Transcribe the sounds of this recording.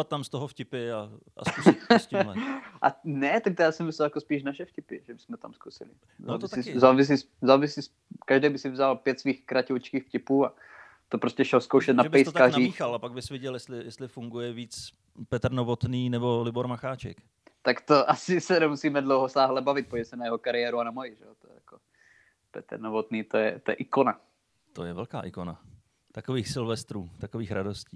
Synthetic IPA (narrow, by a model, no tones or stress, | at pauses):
at̪̚t̪ːamst̪oɦofcɪpɪaa̰ss | ʔa̰nɛt̪ak̚t̪ojaːsɛmɪslɛljakospiːʃnaʃɛfcɪpɪʒɛbɪ̥smɛt̪amskusɪ̰lɪ̰ | zo̰ːvɪsizoːvɪs̬is | zoːvɪsiːs | kaʒdɛjbɪsɪvzalpjɛt̪sviːxkɾacɛlt͡ʃkiːxfcɪpuːa | t̪opɾoscɛʃɛlskowʃɛt̪̚napɛjst̪kariːialapaɡ̚bɪsvɪɟɛljɛst̪lɪjɛst̪lɪfuŋɡujɛviːt͡s | pɛt̪rnovot̪niːnɛbolɪboɾmaxaːt͡ʃɛ̰k | t̪akt̪oʔasɪsɛnɛmusiːmɛdlowɦosaːɦlɛbavɪt̪̚poɟmɛsɛnajɛɦokaɾɪɛːɾuanamojɪʒɛot̪oɛ̰jako | pɛ̰t̪ɾnovot̪niːt̪ojɛ̰t̪ojɛ̰ʔɪkona | t̪ojɛvɛlka̰ːʔɪkona̰ | t̪akoviːxsɪlvɛst̪ɾuːt̪akoviːxɾado̞sciː